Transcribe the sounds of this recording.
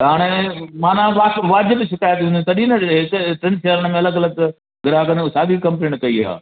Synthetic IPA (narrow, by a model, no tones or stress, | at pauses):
ɦaːɽ̃emãːnãʋaːʋaːd͡ʑɪbʃɪkaːjət̪ɦũːnd̪it̪ɐɗĩnɐɦkʈɾẽnʃeːɾəɽ̃əmẽɐləɡɐləɡ | ɡɪɾaːkɐ̃nd̪saːd̪ikɐ̃mplẽːɳʈkɐia̰ː